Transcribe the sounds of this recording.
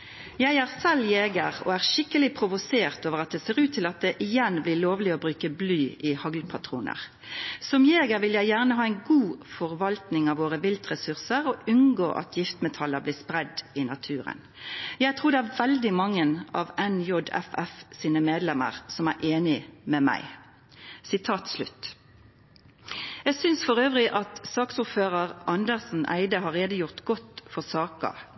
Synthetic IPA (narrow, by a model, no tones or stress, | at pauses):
jæɪæːʁsɛljeːɡə̰ʁɔ̰æːʁʃɪkəlɪpʰʁʊʋʊseːʁt̪oːʋəʁɑt̪̚d̪ɛseːʁʉːt̪ʰːɪlɑt̪̚d̪ɛʔɪjɛnblɪloːʋlɪɔbʁʉːkəblyːɪhɑɡlpʰɑt̪ʰʁṵːnʔə̰ʁ | sɔmjeːɡəʋɪljæɪjæːʁnəɦɑːɛɪnɡuːfɔʁʋɑlt̪nɪŋɑʋoːʁəʋɪlt̪ʁɛsʉʁsəʁɔʔʉnɡo̰ːʔɑ̰t̪ʰjɪft̪mɛt̪ʰɑləʁblɪːspʁɛd̪ɪnɑt̪ʰʉːʁə̰n | jæɪt̪ʰʁuːd̪ɛæʁʋɛld̪ɪmɑŋːənɑ̰ʋɛnjɔd̪ɛ̰fɛfsiːnəmeːd̪lɛmə̰ʁsɔmæʁʔeːnɪmɛmæ̰ɪ | sɪt̪ʰɑːt̪slʉt̪ | jæɡsʏnsfɔʁøːʋʁɪʔɑt̪sɑːksʊʁføːʁəʁʔɑnd̪əʁsn̩ʔæ̰ɪd̪əɦɑʁeːd̪əjʊʁt̪ɡɔt̪fɔʁsɑːkə̰